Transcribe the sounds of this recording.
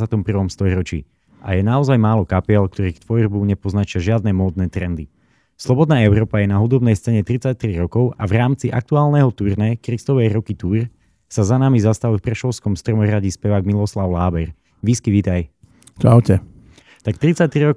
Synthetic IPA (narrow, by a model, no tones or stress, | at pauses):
zat̪ɔmpr̩ʋɔmst̪ɔjɾɔt͡ʃḭː | ʔa̰jɛnaɔzajmaːlɔkapiɛlk̚t̪ɔɾiːkt̪ʋɔjrbuɲɛpɔznat͡ʃɪaʒɪad̪nɛmɔːd̪nɛːt̪ɾɛnd̪i | slˠɔbɔd̪naːɛʊɾɔːpajɛnaɦud̪ɔbnɛjst͡sɛːɲɛt̪ɾit͡sac̚t̪ɾiɾɔkɔʊʔavɾaːmt͡siʔa̰k̚t̪uaːlˠnɛɦɔt̪uːɾnɛkɾist̪ɔʋɛjɾɔkit̪uːɾ | sazanamizast̪aʋifpɾɛʃɔʊskɔmst̪ɾɔmɔɦɾaɟispɛʋaːɡmilɔslaʊlaːbɛɾ | ʋiskiʋiːt̪aj | t͡ʃaʊcɛ | t̪akt̪ɾit͡sac̚t̪ɾiɾɔ